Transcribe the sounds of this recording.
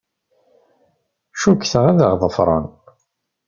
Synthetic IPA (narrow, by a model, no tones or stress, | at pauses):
ʃukːθəʁæðəʁðˤəfɾˤɑ̰n